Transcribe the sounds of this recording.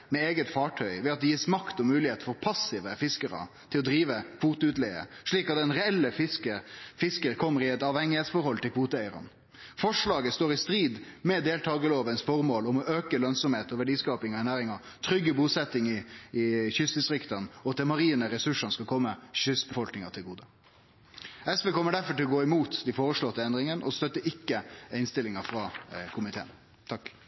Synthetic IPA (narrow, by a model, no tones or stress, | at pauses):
mɛeːɡət̪fɑːʈʰœʏʋɛɑt̪̚d̪ɛjiːsmɑkt̪ɔmʉːlɪheːt̪fɔɾpʰɑsɪʋəfɪskəɾə̰ | t̪ʰɪlɔd̪ɾiːʋəkʰʋuːt̪ʊʉːt̪lɛɪə̰ʂɭiːkɑt̪d̪ɛnɾɛɛlːəfɪskəfɪskəɾkʰɔmːəɾɪɛt̪ɑːʋhɛŋːɪheːt̪sfɔɾhɔlːt̪ɪlkʰʋuːt̪əæɪɾɑ̰n | fɔʂɭɑːɡəst̪oːɾɪst̪ɾiːd̪mɛd̪eːlt̪ʰɑːɡəloːʋənsfɔɾmoːlɔmɔʔøːkəlœnsɔmheːt̪ɔʋæɖiːskɑːpɪŋɔænæːɾɪŋɑ | t̪ʰɾʏɡːəbuːsɛt̪ːɪŋɪɪçʏsd̪ɪst̪ɾɪkt̪ɑnɔɑt̪d̪ɛmɑɾiːnəɾɛsʉʂɑnskɑkʰɔmːəɕʏsbəfɔlknɪŋɑt̪ʰɪlɡuːd̪ə | ɛsʋeːkʰɔmːəɖæɾfɔʈɪlɔɡoːɪmuːt̪d̪ifoːɾəʂɭɔt̪ːəɛnd̪ɾɪŋənʔɔst̪œt̪ːəʔɪkːəɪnst̪ɪlːɪŋɑfɾɑkʰʊmɪt̪ʰḛːn | t̪ʰɑkː